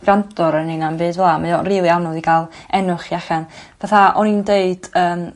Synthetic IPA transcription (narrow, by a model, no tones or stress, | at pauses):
ɡ̥randɔɾəninanbɨːdvɛlˠamajɔriːlˠianɔðiɡalˠɛnʊχiaɬanvaθaɔnindeɨd̥əːm